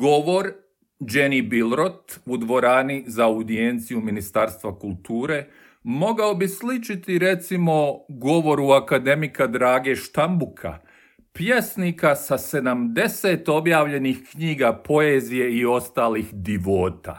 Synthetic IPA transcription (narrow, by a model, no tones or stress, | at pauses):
ɡo̞ʋo̞ɾ | d͡ʒe̞nibilɾot̪ud̪ʋo̞ɾaːnizaud̪ie̞nt̪sijuminist̪aːɾst̪ʋakulˠt̪uːɾe̞ː | mo̞ɡao̞bislit͡ʃit̪iɾe̞t̪simo̞ɡo̞ʋo̞ɾuakad̪e̞mikad̪ɾaːɡe̞ʃt̪ambukʰa̰ | pjesnikasase̞d̪amd̪e̞se̞t̪o̞bjaːʋʎe̞nixkɲiːɡapo̞eːzije̞io̞st̪aːlixd̪iʋo̞ːt̪a̰